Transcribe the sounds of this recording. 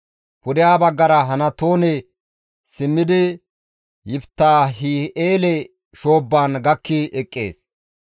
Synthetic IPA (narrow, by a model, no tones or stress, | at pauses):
pʊd̪ɪjaːbɐɡːɐɾɐɦɐnɐt̪oːnɛ | sɪmːɪd̪ɪ | jɪbt̪ːaːɦɪeːlɛ | ʃo̞ːbːaːnɡɐkːɪʔɛkʼːḛːs